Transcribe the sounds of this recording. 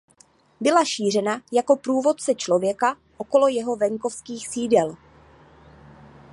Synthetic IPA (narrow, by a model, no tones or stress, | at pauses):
bɪlaʃiːr̝ɛnajako̞pɾuːvo̞t̪̚t͡sɛt͡ʃlo̞vjɛka | ʔoko̞lo̞jɛɦo̞vɛŋko̞fskiːxsiːdɛl